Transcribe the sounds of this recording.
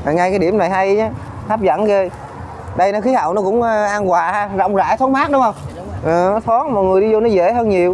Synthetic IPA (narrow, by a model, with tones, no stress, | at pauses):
a˨˩ŋa˧jkaː˨˦jɗi˧˩əmna˨˩jɦa˧jɲa˨˦ | t̪ʰa˦˥p̚zə̰˧˥nɣe˧ | ɗə˧jnɔ˨˦xi˨˦ɦa̰ː˧˨wnɔ˨˦˥kʊ̰˧˥ŋ͡mʔaː˧nkwaː˨˩haː˧zɔ̰˧˨wŋ͡mza̰ː˧˩jt̪ʰɔ˨˦nmaː˦˥t̚ɗʊ˨˦ŋ͡mhə˧wŋ͡m | ʔɨː˨˩nɔ˨˦t̪ʰɔ˨˦˥n̚mɔ̰˨jŋɨ˨˩əjɗi˧zo˧nɔ˨˦zḛ˧˩həː˧nɲi˨˩əw